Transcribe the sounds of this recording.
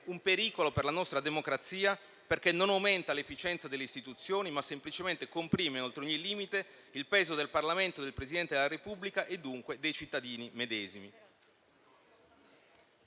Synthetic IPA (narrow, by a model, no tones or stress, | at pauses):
umpeɾiːkoloperlanɔst̪ɾad̪emokɾat̪siːa | perk̟enːonawment̪alefːit͡ʃɛnt̪sad̪elːeist̪it̪ut̪sːjoːnimasːemplit͡ʃement̪ekompɾiːmeolt̪ɾeoɲːiliːmit̪e | ilpɛːzod̪elparlament̪od̪elpɾezid̪ɛnt̪ed̪elaɾepublikaʔed̪ːuŋkwed̪ejt͡ʃit̪ːad̪iːnimed̪ɛːzimi